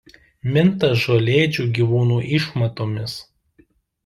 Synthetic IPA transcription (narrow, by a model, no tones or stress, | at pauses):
mʲɪnt̪ɐsʒoːlʲeːd͡ʒʲuːɡʲiːʋuːnuːʔɪʃmɐt̪oːmʲɪs